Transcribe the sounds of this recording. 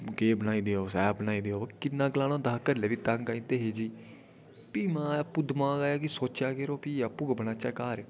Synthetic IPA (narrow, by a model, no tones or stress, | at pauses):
keːbənaːiːd̪eːɦoːsɛːbənaːiːd̪eːɦoːkɪnːãːɡlaːnõːd̪aːkəɾleːʋiːt̪ãŋɡaːĩt̪eːɦeːd͡ʒiː | piːmãːapuːd̪əmãːɡaːjaːkisoːt͡ʃaːkeːɾoːpiːapuːɡbənãːt͡ʃɛːkaːɾeː